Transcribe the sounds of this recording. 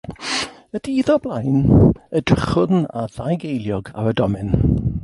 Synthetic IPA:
ədiːðɔblˠajnədrɪχʊna̰ðajɡejlˠjɔɡa̰wədɔmɨn

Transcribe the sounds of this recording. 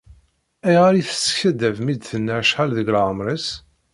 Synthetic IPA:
æjʁaɾiθə̥sçæd̪ævmid̪θənːæʕʃħælðəɡlʁəmɾəs

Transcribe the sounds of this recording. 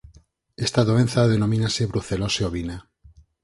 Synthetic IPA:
est̪aðoe̞nθaðe̞nomĩnaseβɾuθe̞lo̞seoβina

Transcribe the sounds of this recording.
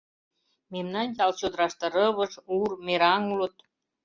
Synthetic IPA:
memnɑnjɑlt͡ɕod̪ɾɑʃt̪ɤ̆ɾɤ̆βɤ̆ʃurmeɾɑŋlut̪

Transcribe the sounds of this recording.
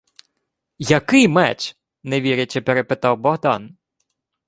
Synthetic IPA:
jɐkɪjmɛt͡ʃ | neʋʲiɾʲɪt͡ʃɛpeɾepɪt̪ɑwbɔɦd̪ɑn

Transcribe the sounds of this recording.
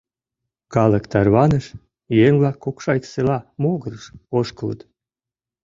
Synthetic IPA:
kɑləkt̪ɑrβɑnəʃ | jeŋβlɑkʰːokʃɑjt̪selɑmoɣəɾəʃoʃkələ̰t̪

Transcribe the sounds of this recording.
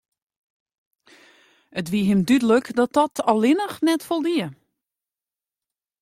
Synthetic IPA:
ʔətʋiɦɪmdydələkdɔt̚ɔtʰɔlɪnəxnɛtfolˠdiə

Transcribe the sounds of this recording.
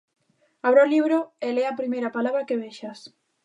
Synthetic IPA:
aβɾoliβɾoelɛapɾimejɾɐpalaβɾakeβeʃas

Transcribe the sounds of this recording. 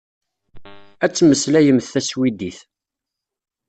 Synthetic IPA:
æt͡sːməslæjəmθθæswid̪iθ

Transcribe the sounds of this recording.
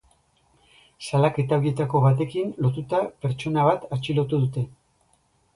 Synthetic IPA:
salake̞t̪aoɾie̞t̪ako̞βat̪e̞kinlo̞t̪ut̪ape̞ɾt͡ʃo̞naβ̞at̪at͡ʃilo̞t̪uðut̪e̞

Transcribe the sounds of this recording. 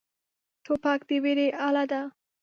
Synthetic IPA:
t̪ʰopɑkd̪eweɾeʔalad̪a

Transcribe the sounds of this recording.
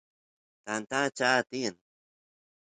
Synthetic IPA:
t̪ant̪at͡ʃat̪in

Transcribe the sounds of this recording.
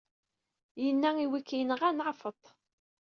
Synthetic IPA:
jənːæiwikːijənəʁænʕafət̪ˤ

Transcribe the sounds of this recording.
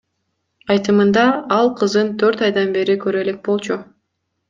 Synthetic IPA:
ɑjt̪ɯmɯnd̪ɑɑlˠqʰɯzd̪ɯnt̪ʰøɾt̪ɑjd̪ɑnbe̞ɾikøɾe̞le̞k̚bo̞lˠt͡ʃu

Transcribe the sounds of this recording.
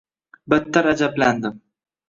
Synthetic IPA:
bɪt̪ʰːaɾad͡ʒabland̪ɪm

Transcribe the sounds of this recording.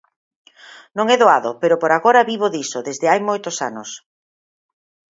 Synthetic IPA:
nõŋɛðoaðopeɾopoɾaɣoɾɐβiβ̞oðisoðezðɪajmojt̪osa̰nʊs

